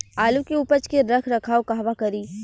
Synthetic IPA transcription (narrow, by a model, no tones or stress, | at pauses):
aːlukeuːpət͡ʃkeɾɐkʰɾɐkʰaːokaɦʋakɐɾiː